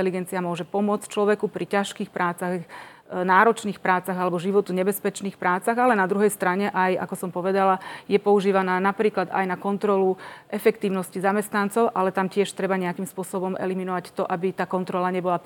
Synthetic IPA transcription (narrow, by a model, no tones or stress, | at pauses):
ɛliɡɛnt͡siamʊɔʒɛpɔmʊɔt͡st͡ʃlɔʋɛkupɾʔicaʃkiːxpɾʔaːt͡saɣ | naːɾɔt͡ʃniːxpɾaːt͡saɣalɛbɔʒiʋɔt̪uɲɛbɛspɛt͡ʃniːxpɾaːt͡saɣalɛnad̪ɾuɦɛjst̪ɾaɲɛʔaja̰kɔsɔmpɔʋɛd̪alajɛpɔuʒiːʋanaːnapɾiːklad̪a̰jnakɔnt̪ɾɔluʔɛfɛkt̪iːʊnɔscizamɛst̪nant͡sɔʊʔalɛt̪amcɪɛʃt̪ɾɛbaɲɛakimspʊɔsɔbɔmʔɛ̰liminɔʋact̪ɔʔabit̪aːkɔnt̪ɾɔlaɲɛbɔla